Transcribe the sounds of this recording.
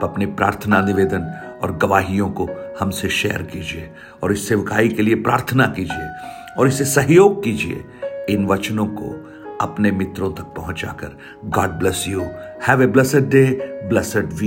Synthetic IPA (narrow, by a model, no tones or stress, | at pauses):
ɐpnepɾa̰ːɾt̪ʰənanɪʋeːd̪ənɔ̰ːɾɡɐʋaːɦijõkohɐmseʃɛ̰ːə̰ɾkiːd͡ʒieː | ɔːɾɪsːeʋɪkaːikeliepɾa̰ːɾt̪ʰənakiːd͡ʒiḛ | ɔːɾɪsesɐɦjoːɡ̚kiːd͡ʒiḛ | ɪnʋɐt͡ʃnõko̰ | ɐpnemɪt̪ɾõt̪ɐk̚pɐɦʊ̃t͡ʃa̰ːkə̰ɾ | ɡɔːɖ̚blɛsjuhɛʋeblɛseɖːeːblɛseɖʋiː